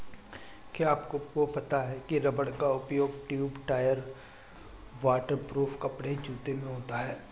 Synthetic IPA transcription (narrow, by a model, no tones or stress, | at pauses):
keaːpkoopɐt̪aɦɛkiɾɐbəɽkaʊpjoːɡ̚ʈjuːbʈaːjəɾ | ʋaːʈəɾpɾuːfkɐpɽed͡ʒuːt̪emẽɦoːt̪aɦɛː